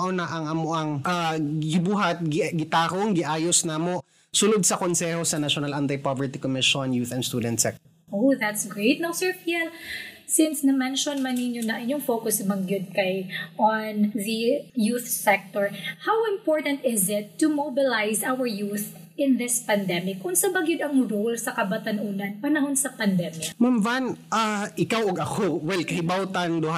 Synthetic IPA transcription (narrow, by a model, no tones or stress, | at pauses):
ʔonɐʔɐŋʔɐmoʔɐŋʔaɡɪbuːɦɐt̪̚ɡɡɪt̪aːkoŋɡɪʔaːjosnɐmo | sʊlod̪̚sɐkonsɛhosɐnaʃonalant̪ajpovɛɹt̪ikomɪʃonjuːθɛnst̪uːd̪ɛnt̪sɛk̚t̪ | ʔowðat̪sɡɹet̪̚nowsɛɹpiɛlsɪnsnɐmɛnʃɔnmɐnːɪɲjonɐʔɪɲoŋfowkʊsbɐŋɡjʊd̪̚kɐjʔɔnðijuθsɛk̚t̪ɔɹhawɪ̃mpoɹt̪ɐnt̪ɪzɪt̪ːumobɪlajzʔawəɹjuθ | ɪ̃nðɪspɐnd̪ɛmɪkʔʊnsɐbɐɡjʊd̪ɐŋɾolsɐkɐbɐt̪ɐnʔuːnɐnpɐnɐɦonsɐpɐnd̪ɛmɪkmamvanʔaʔɪkawɐɡɐkowɛlkɐhɪbawt̪ɐŋd̪ʊha